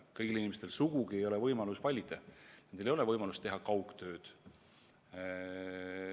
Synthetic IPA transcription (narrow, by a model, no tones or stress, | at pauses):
kɤjɡ̥ilinimest̪elsuɡ̥uɡ̥ie̞jo̞le̞vɤjmɑlusvɑlʲid̪ɑnend̪elejo̞le̞vɤjmɑlust̪e̞ɦɑkɑwkt̪ø̞ːd̪̥